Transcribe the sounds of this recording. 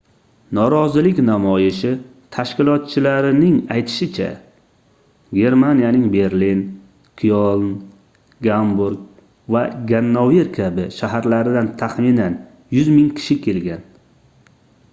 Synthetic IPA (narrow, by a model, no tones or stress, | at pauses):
nɒɾɒzɪlɪkʲnamɒjɪʃɪ | t̪ʰaʃkʲɪlˠɒt̪̚t͡ʃʰɪlaɾɪnɪŋajt̪ʰɪ̥ʃɪt͡ʃʰa̰ | ɡʲe̞ɾmanijanɪŋbe̞ɾlin | qʰijolˠn | ɡambuɾɡ | vaɡʲanːoveɾkʲʰabɪʃaɦaɾlaɾɪd̪ant̪ʰaχminan | jʊzmɪŋkʲʰɪ̥ʃɪkʲʰe̞lɡʲan